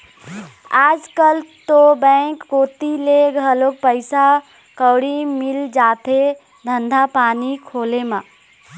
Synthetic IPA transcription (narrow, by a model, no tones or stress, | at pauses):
ad͡ʒkəlt̪obɛ̃ŋkːot̪ileɡʱəlok̚pəɪsa | kəwɽimild͡ʒat̪ʰe | d̪ʱənd̪ʱapanikʰolema